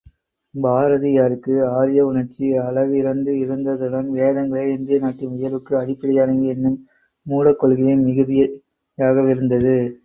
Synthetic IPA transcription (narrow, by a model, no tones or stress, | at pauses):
baːɾɐðijaːɾɯkːɯaːɾɪjɐʊɳɐɾt͡ʃːiɐlɐʋɪɾɐnd̪ɯɪɾɯnd̪ɐðɯɽɐnʋeːðɐŋɡɐɭɐɪnd̪ɪjɐnaːʈːɪʊjɐlʋɯkːɯɐɽɪpːɪɽɐjaːnɐŋɡɯɛnːɯmː | uːlɐkːɔɭɣɪjɪnmɪɣɯðɪjɐ | jaːɣɐʋɪɾɯnd̪ɐðɯ